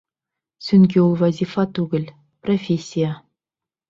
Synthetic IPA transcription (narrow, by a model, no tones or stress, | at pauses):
sʲynʲɡʲeulˠvɑzʲifɑt̪uɡɘ̆lʲ | profʲesʲːija